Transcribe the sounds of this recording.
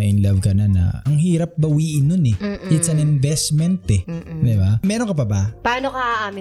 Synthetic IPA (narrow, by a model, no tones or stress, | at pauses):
ɐʔɪnlɐvkɐnɐnɐ̰ɐŋɦiːɾɐp̚bɐwiːʔɪnːʊnɛʔɪt̪sɐnɪnvɛsmɛnt̪ɛd̪ɪbamɛːɾoŋkɐpɐbapɐaːnokɐʔaʔamɪ